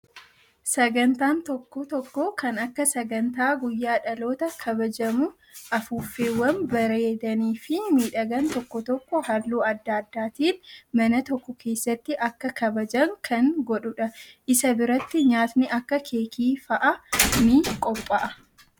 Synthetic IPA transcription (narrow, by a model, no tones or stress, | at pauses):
sɐɡɐnt̪aːnt̪ɔkːɔt̪ɔkːɔkɐnɐkːɐsɐɡɐnt̪aːɡʊjːaːᶑɐlo̞ːt̪ɐkʰɐbɐd͡ʒɐmʊ | ʔɐfuːfe̞ːwːɐnbɐɾeːd̪ɐniːfɪmiːᶑɐɡɐnt̪ɔkːɔt̪ɔkːɔhɐlːuːɐd̪ːad̪ːaːt̪iːnmɐnɐt̪ɔkːɔkʰe̞ːsːɐt̪ːɪʔɐkːɐkʰɐbɐd͡ʒɐŋkʰɐŋɡɔᶑʊᶑɐʔɪsɐbɪɾɐt̪ːɪɲaːt̪nɪʔɐkːɐkʰe̞ːkʰiːfɐʔɐnɪkʼɔpʼːɐʔɐ